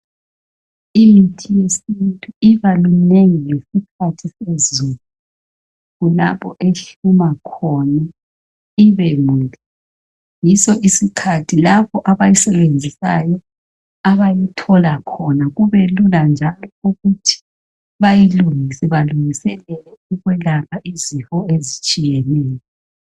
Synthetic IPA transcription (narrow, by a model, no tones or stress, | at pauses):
imitʰʼijesintʼuiβaluneŋiŋesikʰatʰisezuːlu | ɣula̰pʰɔʔeɬumakʰɔna | iβɛŋuːlɛ | jisɔʔisikʰatʰilapʰɔʔaβajisɛβend͡zʱisajɔ | aβajitʰɔlakʰɔnaɣuβeluland͡ʒʱalɔuɣutʰi̥ | βajiluŋisɛβaluŋisɛlɛlɛuɣwɛlaβaʔizihɔezit͡ʃʼijɛnɛːjɔ